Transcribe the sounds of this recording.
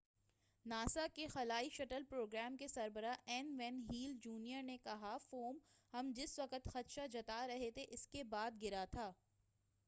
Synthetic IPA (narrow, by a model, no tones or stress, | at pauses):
naːsakexɐlaːiʃɐʈəlpɾoːɡɾɛːmkesɐɾbəɾaʔɛːnʋɛ̃ːnɦiːld͡ʒuːnijəɾnekɐɦafoːmhɐmd͡ʒɪsʋɐkət̪xɐt̪ʃad͡ʒɐt̪aɾɐɦet̪ʰeʔɪskebaːd̪̚ɡɪɾat̪ʰaː